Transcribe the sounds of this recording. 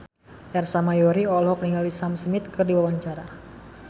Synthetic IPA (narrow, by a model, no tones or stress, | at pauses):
ʔɛrsamajɔɾiɔlɦɔk̚niŋalisamsmɪt̪kɨrdiwawaɲt͡ʃaɾa